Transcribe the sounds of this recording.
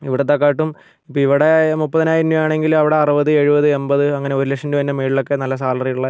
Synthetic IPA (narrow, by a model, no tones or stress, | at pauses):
iʋiɽet̪ːɐkːaːiʈːum | ipːoiʋiɽe̞mupːɐðinaːjiɾinːujaːɳe̞ŋɡilɐʋiɽe̞ɐrubɐðɨe̞ɻubɐðɨe̞mbɐðɨɐŋːɐne̞oɾulekʂɐnduʋɐnːɐmiːɽilokːe̞nɐlːɐsaːlɐrijuɭːɐ